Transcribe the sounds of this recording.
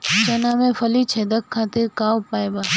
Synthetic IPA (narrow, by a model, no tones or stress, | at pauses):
t͡ʃənamẽfʰəlit͡ʃʰed̪əkkʰːat̪ɪɾkawpajba